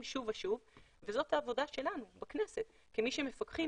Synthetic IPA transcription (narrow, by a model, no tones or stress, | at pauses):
mʃuvaʃuv | vezo̞t̪haːvo̞daʃe̞lanubaknese̞t̪̚ | kimiʃeme̞fakχi